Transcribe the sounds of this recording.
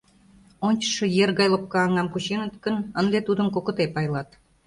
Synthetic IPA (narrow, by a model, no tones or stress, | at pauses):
onʲt͡ɕə̥ʃɤ̆jerɣɑjləp̚kɑːŋɑmkut͡ɕenət̪kənənd̪et̪ud̪ə̆nkokə̆t̪epɑjlɑt̪